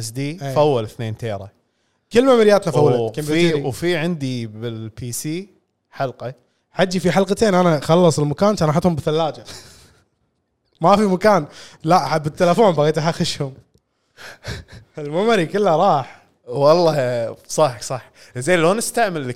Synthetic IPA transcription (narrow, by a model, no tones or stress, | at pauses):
ɪsd̪iːefawːalθneːnt̪eːɾˤɑ̰ | kɪlːmaʕmɪɾɪjaːt̪nafawːkambiwfiʕɪnd̪ibɪlpʰiːsiː | ħalqɑ | ħad͡ʒːifiħalqɑt̪eːnʔanaxɑlːɑsˤɪlmakaːnt̪ʔˤɑːħat̪hʊmbɪθalːaːd͡ʒa | mafimakaːnlaʔħabːɪt̪ːalafoːmbaɣiːt̪aħaxɪʃhʊm | ɪlmʊmaɾikɪlːaɾˤɑːħ | wɑlˤːɑsˤɑħksˤɑħzeːloːnɪst̪aʕmɪlːɪ